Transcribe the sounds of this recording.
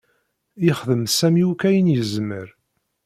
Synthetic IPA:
iχðəmsæmjukæjənjəzməɾ

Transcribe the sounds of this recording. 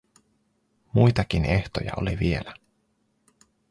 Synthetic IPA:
mujt̪ɑk̟ineht̪o̞jɑ̰o̰liʋie̞læ

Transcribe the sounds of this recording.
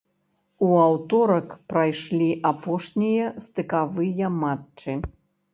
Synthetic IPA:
uawt̪ɔɾɐkpɾajʂlʲiʔapɔʂnʲijɐst̪ɨkavɨjɐmatt͡ʂɨ

